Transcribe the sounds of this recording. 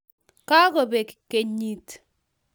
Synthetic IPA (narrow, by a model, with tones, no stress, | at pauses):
ka˦kɔ˨be˨ki̥˨ke˦ɲi˦t